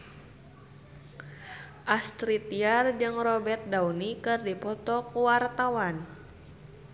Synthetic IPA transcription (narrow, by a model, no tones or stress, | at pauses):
ʔast̪ɾit̪iard͡ʒɨŋrɔbɛt̪̚daunikɨrdipɔt̪ɔkuwart̪awan